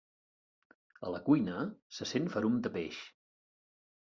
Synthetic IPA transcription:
ə̰ləkujnəsəsenfəɾumd̪əpeʃ

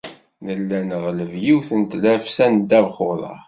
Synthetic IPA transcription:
nəlːænəʁləvjiwθənt̪læfsænd̪ævχʊðˤɑ̰

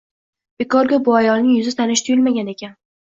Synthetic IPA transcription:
b̥ekɒɾɡʲabʊajɒlˠnɪŋjʊzɪt̪ʰanɪʃt̪ʰʊjɪlmaɡʲane̞kʲʰan

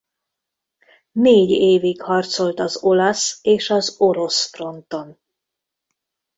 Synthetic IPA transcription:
neːɟeːviɡhɒrt̪so̞lt̪ɒzo̞lɒseːʃɒzo̞ɾo̞sfro̞nt̪o̞n

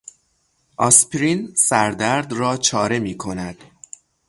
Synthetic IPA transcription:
ʔɒspʰɾinsæɾd̪æɾd̪rɒːt͡ʃʰɒːɾe̞miːkʰo̞næd̪̥

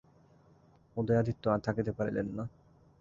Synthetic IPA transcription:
od̪ojad̪ʱit̪ːoat̪ʰakit̪epaɾḭlḛnːa

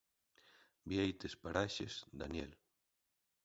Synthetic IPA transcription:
biejt̪espaɾaʃezd̪anjel

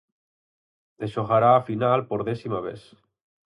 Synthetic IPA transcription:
eʃoɣaɾaːfinalpoɾðesimaβ̞ḛθ

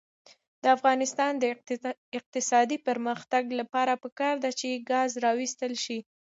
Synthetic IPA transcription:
d̪̥əafɣɑnɪst̪ɑnd̪əɪq̚t̪ɪsɑd̪ipəɾməxt̪aɡlapɑɾapəkɑɾd̪at͡ʃeɡɑzɾɑwist̪əlʃi

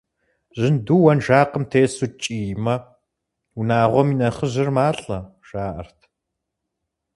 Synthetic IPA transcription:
ʑɪnduwɐnʒaːqəmtʰeːsut͡ʃʼiːjmɐ | unaːʁʷɔminɐχəʑɪrmaːɬʼɐ | ʒ̥aːʔɐ̰rtʰ

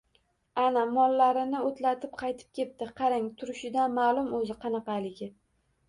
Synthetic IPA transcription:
anamɒlːaɾɪnɪot̪ʰlat̪ʰɪp̚qʰɑjt̪ʰɪ̥p̚kʲʰe̞t̪̚t̪ɪqʰɑɾaŋt̪ʰʊɾɪʃɪd̪anmaːlˠʊmɵzɪqʰɑnɑqɑjlɪɡʲɪ

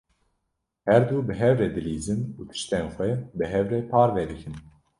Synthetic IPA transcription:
hɛɾd̪uːbɨɦɛvɾɛd̪ɨliːzɨnuːt̪ʰɨ̥ʃt̪ɛnxʷɛbɨɦɛvɾɛpʰɑːɾvɛd̪ɨkʰɨn

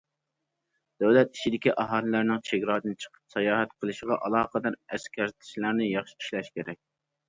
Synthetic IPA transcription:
d̪̥æwlɛt̪̚i̥ʃʰid̪ɪkʲiʔɑɦɑːlˠɨlæɾnɪŋt͡ʃʰeɡʲɾɑːd̪ɨnt͡ʃʰə̥qʰə̥psɑjɑːɦɛt̪qʰəlˠɨʃɪʁɑʔɑlˠɑːqəd̪ɑɾɛskʲæɾt̪ʰɪ̥ʃlæɾnɪjɑχʃi̥i̥ʃlɛʃkʲʰeɾɛk̚ʲ

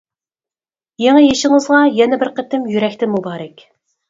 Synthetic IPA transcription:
jeŋɛjeʃɪŋɨzʁɑjɛnɛbɪɾqʰət̪ɪmjyɾɛkʲt̪ɪmubɑːɾɛkʲ

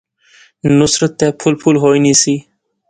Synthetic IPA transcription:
nusɾot̪ːɛpʰulpʰulɦojnisi

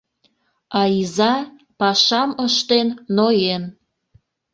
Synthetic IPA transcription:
ɑizɑ | pɑʃɑməʃt̪enːojen

